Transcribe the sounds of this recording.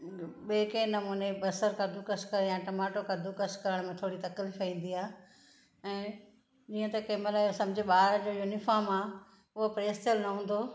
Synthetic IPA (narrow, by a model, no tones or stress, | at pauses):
ɓeːkẽːnɐmuːnebɐsəɾkʰɐd̪ukɐskɐɾjãːʈɐmaːʈokɐd̪ukɐskɐɾəɽ̃mẽt̪ʰoːɽit̪ɐklifɐĩːn̆d̪iaː | ɛ̃ː | d͡ʑiːə̃t̪ɐkeːməlaosɐ̃md͡ʑʱeɓaːɾd͡ʑoːjuːnifaːɾmaː | ʊɦopɾeːst̪elnɐɦũːn̆d̪oː